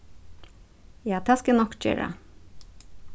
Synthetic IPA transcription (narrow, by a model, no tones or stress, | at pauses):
jɑːt̪ʰɑskənɔkt͡ʃɪ̰ɹə̰